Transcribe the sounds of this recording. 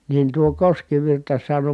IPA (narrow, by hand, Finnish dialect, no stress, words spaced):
niːn tuo koskiʋirtɑ sɑno